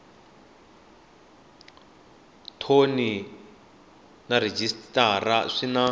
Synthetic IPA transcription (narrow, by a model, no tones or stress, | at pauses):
tʰoni | nared͡ʒistʼaraʂina